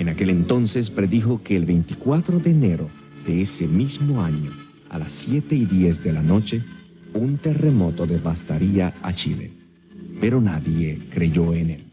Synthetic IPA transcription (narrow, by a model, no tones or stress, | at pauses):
enake̞lent̪o̞nses̬pɾe̞ðixokeːlβejnt̪ikwat̪ɾoðeːneɾo | ð̥e̞esemizmo̞aɲo | a̰lasːjet̪e̞iðjezðe̞lano̞t͡ʃe | unt̪e̞remo̞t̪oðeβast̪aɾiaa̰t͡ʃḭlḛ | pe̞ɾo̞naðjekɾe̞ʝoenel